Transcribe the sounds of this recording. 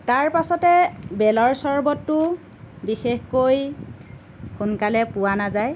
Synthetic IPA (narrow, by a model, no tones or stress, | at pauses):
taɹpasɔtɛbɛlɔɹsɔɹbɔtːʊ | bixexkoj | xunkalɛpʊwanazaj